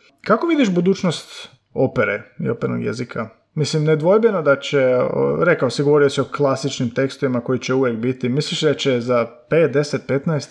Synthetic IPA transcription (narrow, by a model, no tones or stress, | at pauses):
kakoʋid̪iʃbud̪uːt͡ʃnost̪ | o̞peɾeḭo̞peɾno̰ɡjḛzikʰa | mislimned̪ʋo̞jbenod̪at͡ʃeo̰ɾekaosiɡoʋo̞ɾiosio̞klˠasit͡ʃnimt̪e̞kst̪oʋimako̞jit͡ɕeuʋjekbit̪imisliʃd̪at͡ɕezapeːt̪̚d̪e̞set̪̚pe̞t̪naest̪